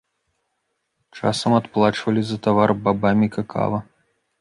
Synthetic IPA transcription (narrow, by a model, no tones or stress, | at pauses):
t͡ʂa̰sɐmat̪plˠat͡ʂvɐlʲizɐt̪avarbabamʲikakʰa̰vɐ